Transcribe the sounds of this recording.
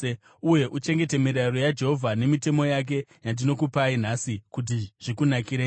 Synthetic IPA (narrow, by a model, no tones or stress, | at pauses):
uje̞ʔut͡ʃe̞ŋɡe̞te̞miɾarojad͡ʒe̞ɦo̞vʱane̞mite̞mo̞jak̬e̞jandino̞kupain̤asikut̬iʐ̥ikunakiɾeː